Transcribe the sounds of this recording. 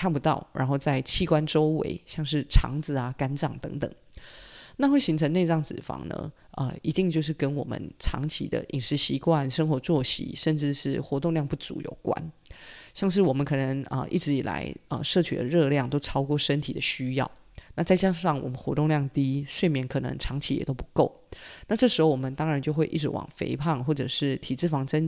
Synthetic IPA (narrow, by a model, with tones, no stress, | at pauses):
kʰa˥˩npu˧t̪ɑ˥˩ʊɻʔa̰˧˥nxo˥˧ʊt͡sa˥˧ɪt͡ɕʰi˥˩kwa˦nʈ͡ʂo˥ʊwḛ˧˥ɪɕjɑ˥˧ŋʂɻ̩˥˩ʈ͡ʂʰɑ̰˧˥ŋd͡zɹ̩˨a˨ka˥nʈ͡ʂɑ̰˨˩ŋt̪ɤ̰˧˥ŋt̪ə̰˨˩ŋ | na˥˧xwe˥˩ɪɕi˧˥ŋʈ͡ʂʰɤ˧ŋne˥˧ɪʈ͡ʂɑ˥˩ŋt͡sɻ̩˨˩fɑ̰˧˥ŋnə̰˧˩ | ə̰˧˩i˧˥t̪i˥˧ŋt͡ɕjo˥˧ʊʂ̬ɻ̩˥˩kə˥nwɔ˨˩mə̰˧˦nʈ͡ʂʰɑ̰˧˥ŋt͡ɕʰḭ˧˥d̪ə̰˧ʔi˨˩ŋʂɻ̩˧˥ɕi˧˥kwa˥˩nʂə˥ŋxwɔ˧˥t͡swɔ˥˩ɕḭ˨˦ʂə˥˧nʈ͡ʂɻ̩˥˧ʂɻ̩˥˩xwɔ˧˥t̪o˥˧ŋljɑ˥˧ŋpu˥˩t͡sṵ˧˥jo̰˨˩ʊkwa̰˥˦nɕjɑ˥˧ŋʂ̬ɻ̩˥˩wɔ˨˩mə˦nkʰɤ˨˩nə˧˥ŋə̰˧ʔḭ˥˩ʈ͡ʂɻ̩˧˥i˨˩la̰˧˥ɪə˨˩ʂɤ˥˩t͡ɕʰy˨˩d̪ə̰˦ɻɤ˥˧ljɑ˥˩ŋt̪o˥ʊʈ͡ʂʰɑ˥ʊkwɔ˥˩ʂə˥nt̪ʰi˨˩d̪ə˦ɕy˥jɑ̰˥˩ʊ | nna˥˧t͡sa˥˩ɪt͡ɕja˥ʂɑ˥˩ŋwɔ˨˩mə˦nxwɔ˧˥t̪ʊ˥˧ŋljɑ˥˩ŋt̪i˥ʂwe˥˩ɪmjɛ˧˥nkʰɤ˨˩nə̰˧˥ŋʈ͡ʂʰɑ˧˥ŋt͡ɕʰi˧˦jɛ̰˨˩t̪o˥ʊpu̥˧˦˥ko˥˩ʊna˥˧ʈ͡ʂɤ˥˩ʂɻ̩˧˥xo˥˧ʊwɔ˨˩mə˦nt̪ɑ˥ŋɻa˨˧˦nt͡ɕjo˥˧xwe˥˧ɪʔi˥˩ʈ͡ʂɻ̩˧˥wɑ̰˨˩ŋfḛ˧˥ɪpʰɑ˥˩ŋxwɔ˥˩ʈ͡ʂɤ˨˩ʂɻ̩˥˩t̪ʰi˨˩t͡sɻ̩˥˩fɑ˧˥ŋʈ͡ʂə˥n